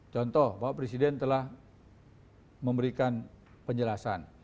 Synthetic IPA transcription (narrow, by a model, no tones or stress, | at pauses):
t͡ʃɔnt̪ɔhbawapɾesidɛnt̪əlah | məmbəɾikan | pəɲd͡ʒəlasan